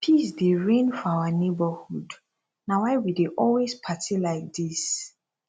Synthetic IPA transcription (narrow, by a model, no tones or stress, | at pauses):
pʰisdeɹẽnfɔawənebəhud | nawaɪwideʔɔlwespʰatʰilaɪk̚dis